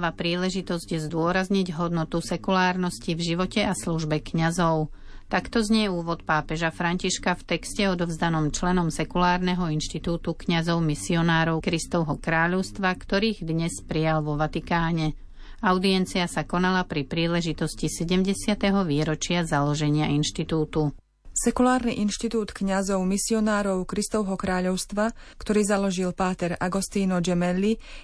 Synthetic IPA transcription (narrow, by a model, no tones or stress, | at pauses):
ʋapɾiːlɛʒit̪ɔzɟjɛzd̪ʊɔɾazɲiɟɦɔd̪nɔt̪usɛkulaːɾnɔscivʒiʋɔcɛasluʒbɛkɲazɔʊ | t̪akt̪ɔzɲɛɛuːʋɔt̪paːpɛʒafɾaɲciʃkaft̪ɛkscɛɔd̪ɔvzd̪anɔmt͡ʃlɛnɔmsɛkulaːɾnɛɦɔinʃt̪it̪uːt̪ukɲazɔʊmisiɔnaːɾɔʊkɾist̪ɔʊɦɔkɾaːʎɔʊst̪ʋakt̪ɔɾiːɣd̪ɲɛspɾijalʋɔʋat̪ikaːɲɛ | aʊd̪iɛnt͡siasakɔnalapɾipɾiːlɛʒit̪ɔscisɛɟɛmɟɛsɪat̪ɛɦɔʋiːɾɔt͡ʃɪazalɔʒɛɲɪainʃt̪it̪uːt̪u | sɛkulaːɾniʔinʃt̪it̪uːt̪kɲazɔʊmisiɔnaːɾɔʊkɾist̪ɔʊɦɔkɾaːʎɔʊst̪ʋakt̪ɔɾiːzalɔʒilpaːt̪ɛɾaɡɔst̪iːnɔd͡ʒɛmɛlːi